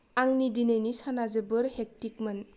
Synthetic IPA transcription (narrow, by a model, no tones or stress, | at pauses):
aŋnidinenisanazebɯɾhek̚tik̚man